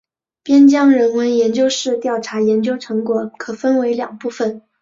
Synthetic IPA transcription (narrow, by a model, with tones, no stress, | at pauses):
pjɛ˥nt͡ɕjɑ˥ŋɻə˧˥nwə˧˥njɛ˧˥nt͡ɕjo˥ʊʂɻ̩˥˧t̪jɑ˥˩ʊʈ͡ʂʰa˧˥jɛ˧˥nt͡ɕjo˥ʊʈ͡ʂʰɤ˧˥ŋkwɔ˨˩kʰɤ˨˩fə˥nwe˧˥ɪljɑ̰˨˩ŋpu˥˩fə˥˩n